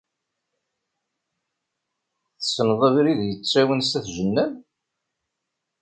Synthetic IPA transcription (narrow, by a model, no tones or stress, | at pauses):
θəsənðˤævɾiðjət͡sːæwənst̪æθʒənːæm